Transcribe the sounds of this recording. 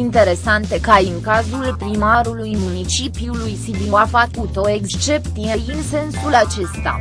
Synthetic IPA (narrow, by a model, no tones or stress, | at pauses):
int̪e̞ɾe̞sant̪e̞kaiŋkazulpɾimaɾulujmunit͡ʃipiulujsid̪iafakut̪o̞e̞kst͡ʃe̞pt̪sijejinse̞nsulat͡ʃe̞st̪a̰